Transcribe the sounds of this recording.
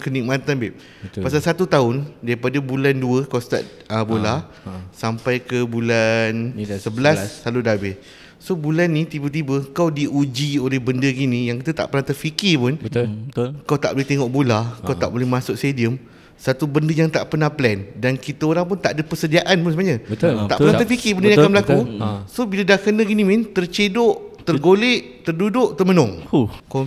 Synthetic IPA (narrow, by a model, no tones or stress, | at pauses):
kənik̚mãt̪anbɛʔ̚ | pasalsat̪ut̪aʊndaɾipadabulanduəkawst̪a̰ʔ̪̚ | əbola | sampajkəbulansəbəlassːalʊdabɛ | sobulanːĩt̪ibət̪̬ibəkawdiud͡ʒiolɛhbəndəɡinĩjaŋkit̪ət̪a̰ʔpərnat̪ərfikɪpʊnə | kawt̪aʔbolɛht̪eŋɔʔbulakawt̪a̰ʔbolɛhmãsʊk̚st̪ediəm | sat̪ubəndəjaŋt̪aʔpənahplɛndankit̪əoɾaŋp̬ʊnt̪aʔadəpəsədiaʔanpʊnsəmaɲəət̪t̪aʔənat̪əfikɪbəndnakanmbəlakusobilədahkənəɡinimint̪ərt͡ʃedʊʔt̪ərɡoleʔ | t̪ərdudʊʔt̪ərmənʊŋko